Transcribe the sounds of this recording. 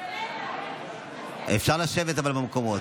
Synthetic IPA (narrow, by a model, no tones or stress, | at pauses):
ʔefʃaʁlaʃevet̪avalmamkomo